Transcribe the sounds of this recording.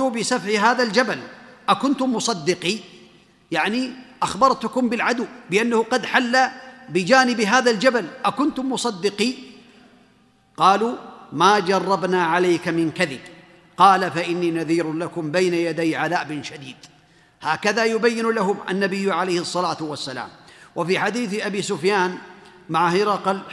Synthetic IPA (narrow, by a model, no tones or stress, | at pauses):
ʊbɪsafʕɪɦaːðald͡ʒabalʔakʊnt̪ʊmʊsˤɑd̪ːɪqi | jaʕniʔaxbɑɾˤt̪ʊkʊmbɪlʕad̪ʊwbɪʔanːahʊqɑd̪ħalːabɪd͡ʒaːnɪbɦaːðald͡ʒabalʔakʊnt̪ʊmʊsˤɑd̪ːɪqiː | qɑːluːmaːd͡ʒɑrˤːɑbnaːʕalajkamɪnkaðɪb | qɑːlafaʔɪnːiːnaðiːɾlakʊmbajnajad̪ajʕaðaːʔbɪnʃad̪iːd̪ | haːkaðajʊbajːɪnlaɦʊmʔa̰nːabɪjːʕalajhɨsˤːɑlaːt̪ʊwasːala̰ːmwafiːħad̪iːθʔabiːsʊfjaːnmaʕhɪɾɑq